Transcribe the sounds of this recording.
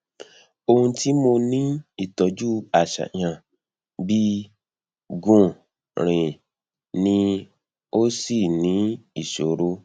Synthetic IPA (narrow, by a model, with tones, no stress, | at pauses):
o˧hũ˧ti˦mo˧nĩ˦i˦˨tɔ˨˦d͡ʒu˦a˦˨ʃa̰˨ɲã˧˨ | bi˦ | ɡũ˦ | ɾ̃ĩ˨ | nĩ˧ | o˦si˦˨nĩ˨˦i˦˨ʃo˨ɾo˦